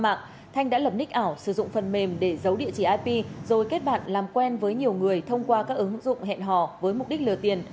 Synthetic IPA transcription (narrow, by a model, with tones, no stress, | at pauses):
ma̰ː˧˨ŋ | t̪ʰa˧jŋɗa̰ː˧˥lə˨˩p̚nï˦˥k̟̚ʔaː˧˩wsɨ˧˩zʊ̰˧˨ŋ͡mfə˨˩nme˨˩mɗe˧˩zə˨˦wɗḭ˧˨t͡ɕi˧˩ʔaː˧jpi˧zo˨˩jke˦˥t̚ɓa̰ː˧˨nlaː˨˩mkwɛ˧nvəː˨˦jɲi˨˩əwŋɨ˨˩əjt̪ʰə˧wŋ͡mkwaː˧kaː˦˥k̚ʔɨ˨˦ŋzʊ̰˧˨ŋ͡mɦɛ̰˧˨nɦɔ̰˧˨vəː˨˦jmʊ˨˩k͡p̚ɗi˦˥k̚lɨ˨˩t̪i˨˩ən